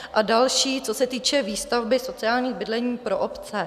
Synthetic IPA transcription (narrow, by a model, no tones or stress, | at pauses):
ʔadalʃiːt͡so̞sɛt̪iːt͡ʃɛviːst̪avbɪso̞t͡sɪaːlɲiːɣbɪdlɛɲiːpɾo̞ʔopt͡sɛ